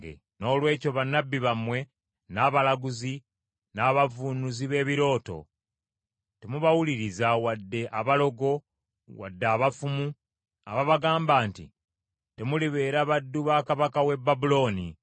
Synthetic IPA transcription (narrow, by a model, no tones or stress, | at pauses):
ḛ | no̞ːlwe̞ːco̞βanːabːiβamwe̞ | naβalaɡuzi | naβavunuziβe̞ːβiɾo̞ːto̞̰ | te̞muβawuliɾizawadːe̞ʔaβalo̞ɡo̞ | wa̰dːaːβafumu | a̰βaβaɡaːmbaːntḭ | te̞muliβe̞ːɾaβadːuβaːkaβakawe̞bːabulo̞ːni